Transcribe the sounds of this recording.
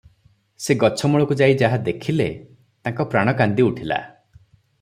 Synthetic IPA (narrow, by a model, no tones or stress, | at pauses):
seɡɔt͡ʃʰɔmɔɭɔkud͡ʒaid͡ʒaɦad̪ekʰile | t̪ãŋkɔpɾaɽ̃ɔkand̪iuʈʰila̰